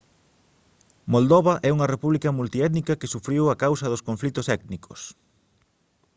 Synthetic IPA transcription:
mold̪oβɐʔɛuŋɐrepuβlikɐmult̪iɛt̪nikɐkɪsufɾiwɐkawsɐðʊskõɱflit̪ʊsɛk̪nikʰos

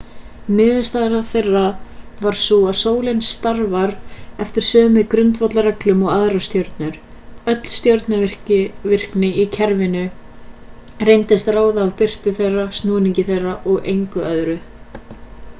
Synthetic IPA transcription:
nɪːðʏst̪aðɾaθejrːavaɾ̥suaðsoːwlejnsːt̪aɾvaɾɛft̪ɪɾ̥sœːmɪkɾʏnt̪vɔt̪laɾɛklʏmɔɣaðɾast̪jowɾt̪nʏɾ̥ | œt̪l̥st̪jowɾt̪naɪr̥cɪvɪr̥knɪicʰɛɾvɪnʏ | rejnt̪ɪst̪raːwðaːvpɪr̥t̪ʏθejrːast̪nɔːniɲcɪθejrːaʔɔɣejŋkʏœðɾʏ

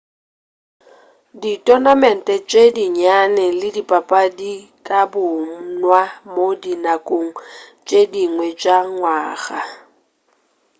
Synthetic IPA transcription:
ditʼɔnamɛn̩tʼɛt͡ʃʼediɲanɛlɪdipʼapʼadikʼabʊnwamodinakʼoŋ̩t͡ʃʼediŋwɛt͡ʃʼaŋwaːɣa

